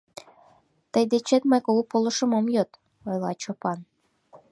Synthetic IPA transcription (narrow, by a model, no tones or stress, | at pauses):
t̪əjd̪et͡ɕet̪mɑjkoupolɤ̆ʃɤ̆mɑmjot̪ | ojlˠɑ̰t͡ɕopɑn